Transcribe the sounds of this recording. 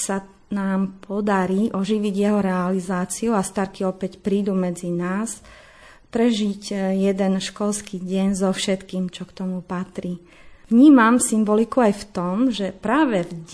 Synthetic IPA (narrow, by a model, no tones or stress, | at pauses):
sa | naːmpʰɔd̪aɾiːʔɔʒiʋiɟjɛɦɔɾɛalizaːt͡siuast̪aɾkiɔpɛcpɾiːd̪umɛd͡zinaːs | pɾɛʒiɟjɛd̪ɛnʃkɔlskiːɟɛɲzɔfʃɛt̪kiːmt͡ʃɔkt̪ɔmupat̪ɾiː | ʋɲiːmamsimbɔlikuajft̪ɔmʒɛpɾaːʋɛvɟ